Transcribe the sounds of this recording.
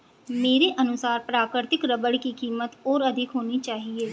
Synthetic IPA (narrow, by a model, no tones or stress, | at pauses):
meːɾeːʔənʊsaːɾpɾaːkɾɪɾt̪ɪkɾəbəɽkiːkiːmət̪oːɾəd̪ʱɪkɦoːniːt͡ʃaːɦieː